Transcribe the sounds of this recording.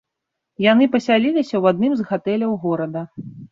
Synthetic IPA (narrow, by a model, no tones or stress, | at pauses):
jan̪ɨpɐsʲalʲilʲisʲɐwad̪̚nɨmzɣat̪ɛlʲɐwɣɔɾɐd̪ɐ